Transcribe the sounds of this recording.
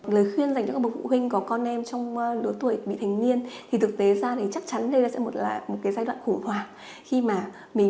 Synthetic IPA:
ləː˨˩jxwi˧ənza˨˩jŋɔ˧˦k̚ːɓ̚fṵ˧˨hwï˧ŋ̟kɔ˨˦kɔ˧nʔɛ˧mt͡ɕɔ˧wŋ͡mlɨ˨˦t̪wə˨˩əjɓḭ˧˨t̪ʰa˨˩jŋ̟ni˧ənt̪ʰi˨˩t̪ʰɨ˨˩k̚t̪e˨˦zaː˧t̪ʰi˨˩t͡ɕa˦˥k̚t͡ɕa˨˦nɗə˧jɗa̰ː˧˥sɛ̰˧˥mo˨˩t̚laː˨˩mo˨˩kaː˨˦jzaː˧jɗw̰ːxʊ˧˩ŋ͡mhwaː˨˩ | xi˧maː˨˩ | mï˨˩

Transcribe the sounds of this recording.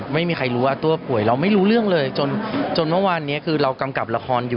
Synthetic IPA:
ma˥˩jmiː˧kʰa˧jɾuː˦˥waː˥˩t̪u˧ɐpʰu˨˩˦jɾa˧wma˥˩jɾuː˦˥ɾɯ˥˩əŋlɤː˧jt͡ɕo˧nt͡ɕo˧nmɯ˥˩waː˧nːi˦˥ɐkʰɯː˧ɾa˧wka˧mka˨˩p̚la˧kʰɔː˧njuː˨˩

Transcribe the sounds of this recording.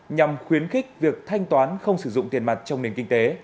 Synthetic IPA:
ɲa˨˩mxwi˨˦ənxï˦˥k̟̚vi˨˩ək̚t̪ʰa˧jŋ̟t̪waː˨˦nxə˧wŋ͡msɨ˧˩zʊ̰˧˨ŋ͡mt̪i˨˩ənma˨˩t̚t͡ɕɔ˧wŋ͡mne˨˩nkï˧ŋt̪e˨˦

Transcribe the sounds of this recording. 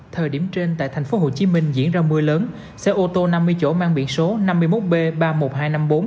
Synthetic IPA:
t̪ʰəː˨˩jɗi˧˩əmt͡ɕe˧nt̪a̰ː˧˨jt̪ʰa˨˩jŋ̟fo˨˦ɦo˧˨˩t͡ɕi˨˦mï˧ŋ̟zḭ˧˥ənzaː˧mɨ˧əjləː˨˦n | sɛ̰˧ʔo˧t̪o˧na˧mːɨ˧əjt͡ɕo̰˧˥˩maː˧ŋɓḭ˧˨ənso˨˦na˧mːɨ˧jmo˦˥t̚ɓe˧ɓaː˧mo˨˩t̚ɦaː˧jna˧mɓo˨˦n

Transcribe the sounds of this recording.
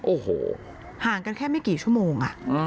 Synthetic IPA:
ʔi˧ɦḭ˧˩ | haː˨˩˦ŋka˧nkʰɛː˥˩ma˥˩kiː˨˩t͡ɕʰu˥˩˨moː˧ŋʔa̰˨˩ʔ

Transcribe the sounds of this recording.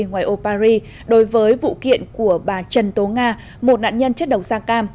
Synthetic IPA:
ŋwaː˨˩jʔo˧paː˧ɾi˧ | ɗo˨˦jvəː˨˦jvṵ˧˨kḭ˧˨ənku˧˩əɓaː˨˩t͡ɕə˨˩nt̪o˨˦ŋaː˧ | mo˨˩t̚na̰ː˧˨nɲə˧nt͡ɕə˦˥t̚ɗə˨˩wŋ͡msaː˧kaː˧m

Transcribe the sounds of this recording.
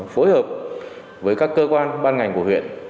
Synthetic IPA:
fo˨˦jhəː˨˩p̚ | vəː˨˦jkaː˦˥kːəː˧kwaː˧nɓaː˧nŋa˨˩jŋku˧˩əhwḭ˧˨ən

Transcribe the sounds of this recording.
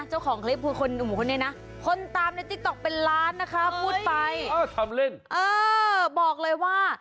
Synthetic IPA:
t͡ɕa˥˩wkʰɔː˩˦ŋkʰle˦˥p̚ʰːɯː˧kʰo˧nʔu˨˩bkʰo˧nːi˥˩na˦˥ | kʰo˧nt̪aː˧mna˧˩jt̪i˦˥k̚t̪ɔ˨˩k̚pe˧nlaː˦˥nːa˦˥kʰɾa˦˥pʰːuː˥˩t̪̚pa˧ja˧˥˩t̪ʰa˧mle˥˩nʔɤː˧bɔː˨˩k̚lɤː˧jwaː˥˩

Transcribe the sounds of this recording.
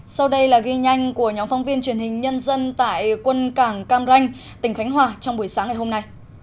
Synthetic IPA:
sa˧wɗə˧jlaː˨˩ɣi˧ɲa˧jŋ̟ku˧˩əɲɔ˨˦mfɔ˨˦wŋ͡mvi˧ənt͡ɕwi˧˩ənhï˨˩ŋ̟ɲə˧nzə˧nt̪a̰ː˧˨jkwə˧nkaː˧˩ŋkaː˧mza˧jŋ̟ | t̪ï˧˩ŋ̟xa˨˦ŋ̟ɦwaː˨˩t͡ɕɔ˧ŋ͡mɓu˧˩əjsaː˨˦ŋaː˧˩ho˧mna˧j

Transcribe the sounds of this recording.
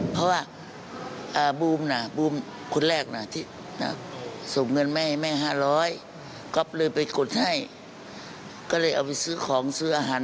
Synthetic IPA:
pʰɔ˧waː˧˩˨ | ʔaː˧˩buː˧˩mna˧˩buː˧˩m | kʰo˧˨nlɛː˧˩k̚na˧˩t̪ʰi˧˩ | na̰˧so˨˦ŋŋːɤ˧˨nmɛ˧˨hjmɛː˧˨ɦaː˧˥˨lɔː˧˥˨j | kɔ˧˦p̚lɤː˧˩jpa˨jko˨˩t̪̚ha˧˩j | kɔ˧˩laː˧˩jʔa̰˨˩wpa˧˩sɯː˧˥˨kʰɔː˨˦ŋsɯː˧ʔaː˧ɦaː˨˦n

